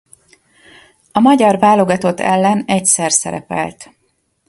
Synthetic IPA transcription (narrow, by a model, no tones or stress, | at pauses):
ɒmɒɟɒrvaːlo̞ɡɒt̪o̞t̪ʰɛlːɛnɛcsɛrsɛ̰ɾɛ̰pɛ̰lt̪